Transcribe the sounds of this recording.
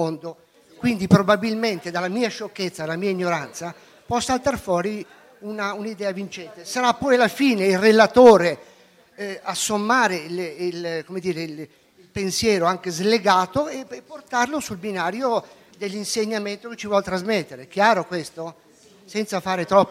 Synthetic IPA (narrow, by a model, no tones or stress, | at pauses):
ond̪o | kwind̪ipɾobabilment̪ed̪alːamiːaʃokːet̪sːad̪alamiːaiɲːoɾant̪sa | pɔsːalt̪arfwɔːɾi | unaunid̪ɛːavint͡ʃɛnt̪esaɾapːɔjalːafiːneilrelat̪oːɾe | asːomːaːɾelkomed̪iːɾeil | pensjɛːɾoaŋkezleɡaːt̪oeepːort̪arlosulbinaːɾjo | d̪elːinseɲːament̪oket͡ʃːivwɔlt̪ɾazmet̪ːeɾek̟jaːɾokwest̪o | sɛnt̪safaːɾet̪ɾɔpː